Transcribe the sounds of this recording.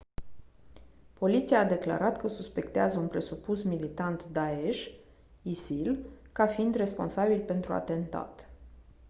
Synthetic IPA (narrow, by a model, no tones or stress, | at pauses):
po̞lit̪siaːd̪e̞kla̰ɾat̪kəsuspe̞kt̪eazəunpɾe̞supusmilit̪ant̪d̪ae̞ʃ | isilkafiind̪re̞spo̞̰nsabilpe̞nt̪ɾua̰t̪e̞nt̪a̰t̪